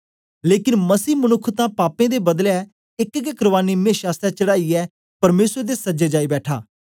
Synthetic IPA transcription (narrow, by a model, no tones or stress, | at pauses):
leːkɪnməsiːmənʊkʰt̪ãːpaːpẽːd̪eːbəd̪lɛː | ɪkkekɾəʋaːniːmẽːʃaːst̪ɛːt͡ʃəɽaːiːɛː | pəɾmeːsɾd̪eːsəd͡ʒeːd͡ʒaːiːbɛːʈʰa̰ː